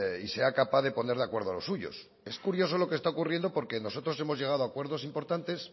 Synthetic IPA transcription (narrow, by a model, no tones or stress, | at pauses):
ise̞akapaðe̞po̞ne̞ɾðakwe̞ɾðoalo̞suʝo̞̰s | e̞skuɾjo̞so̞lo̞kest̪aokurje̞nd̪opo̞ɾke̞no̞so̞t̪ɾo̞s̬e̞mo̞zʝe̞ɣ̞að̞oakwe̞ɾð̞o̞simpo̞ɾt̪ant̪e̞s